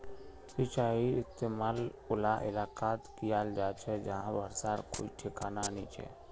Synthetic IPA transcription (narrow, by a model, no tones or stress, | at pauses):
sɪt͡ʃaːiɪst̪eːmaːlʊlaʔɪlaːqaːt̪kijaːld͡ʒaːt͡ʃʰɛd͡ʒɐɦãʋəɾsaːɾko̰ːiʈʰɪkaːnanit͡ʃʰɛ̰